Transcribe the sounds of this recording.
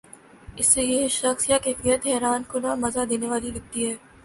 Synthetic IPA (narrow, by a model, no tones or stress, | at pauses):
ɪsːejeʃɐxsijakeːfijət̪ɦɛːɾaːnkʊnamɐzad̪eːneʋaːlilɐk̚t̪iɦɛː